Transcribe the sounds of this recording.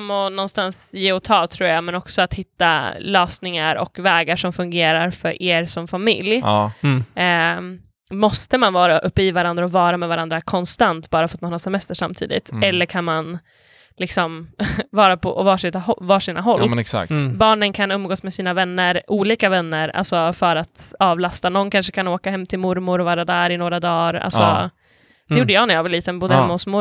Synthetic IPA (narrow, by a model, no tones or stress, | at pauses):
mːɔnɔnst̪ansjeːɔt̪ʰɑːt̪ʰɾuːɾjamɛnɔksɔat̪hɪt̪ːalœːsnɪŋaɾɔ̰kvɛːɡaʂɔmfɵŋɡeːɾaɾfœɾʔeːɾsɔmfamɪ̰lj | mɔst̪əmanvɑːɾaʔɵpːəivaɾand̪ɾaɔvɑːɾamɛvaɾand̪ɾakʰɔnst̪ant̪bɑːɾafœɾat̪manhɑːsɛmɛst̪əʂamːt̪ʰḭːd̪ɪ̰t̪ʰɛlːəɾkʰanman | lɪksɔmvɑːɾapʰɔ̰ɔvɑːʂɪt̪aɔvɑːʂiːnaɦɔlːsa̰kbɑːɳənkʰanɵmːɡoːsmɛsiːnavɛnːəɾʔuːliːkavɛnːəɾa̰lsɔfœɾat̪ɑːvlast̪anɔnːkʰanʂəkʰanoːkahɛmːt̪ʰɪlmʊɾmʊɾɔvɑːɾad̪æːɾɪnoːɾad̪ɑːɾa̰lsɔ̰ | d̪ɛjuːɖəjɑːnɛjavɛliːt̪ənbuːd̪əhɛmʊsmʊ